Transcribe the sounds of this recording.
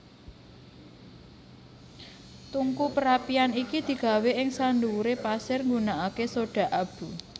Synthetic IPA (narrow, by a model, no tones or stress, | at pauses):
t̪uŋkupəɾapianikid̪̥i̤ɡ̥a̤weʔɪŋsand̪uɾepasɪrŋɡunaʔakesoɖ̥a̤ʔab̥ṳ